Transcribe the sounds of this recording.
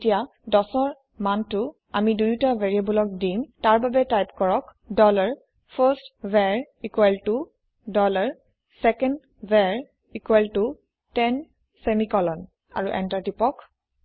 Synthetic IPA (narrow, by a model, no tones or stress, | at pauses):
tija | dɔsɔɹ | mantʊ | amidujtaveɹiabɔlɔk̚dimtaɹbabɛtajpkɔɹɔk | dɔlaɹ | pʰəstvɛɹ | ikwɛltu | dɔlaɹ | sɛkɛnd | vɛɹ | ikuɛltʊ | tɛn | semikɔlɔn | a̰ɹuʔɛ̰ntatipɔk